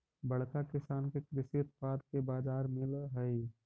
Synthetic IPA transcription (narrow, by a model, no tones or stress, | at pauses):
bəɽkakɪsaːnkekɾɪʃɪt̪paːd̪kebaːd͡ʒaːɾmɪlɦəi